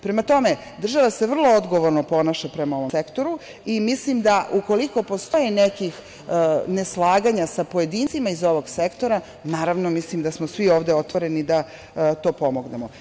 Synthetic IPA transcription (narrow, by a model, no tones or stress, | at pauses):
pɾe̞mat̪o̞me̞ | d̪r̩ʒaʋase̞ʋr̩lˠo̞od̪ɡo̞ʋoɾnopo̞naʃapɾe̞mao̞ʋosekt̪oɾu | imislimd̪aʔuko̞liko̞po̞st̪o̞jenekix | neslˠaːɡaɲasapo̞je̞d̪iːnt̪simaizo̞ʋo̞ɡsekt̪o̞ɾa | naːɾaʋnomislimd̪asmosʋio̞ːʋd̪eot̪ʋoɾe̞nid̪a | t̪o̞ːpo̞mo̞ɡnemo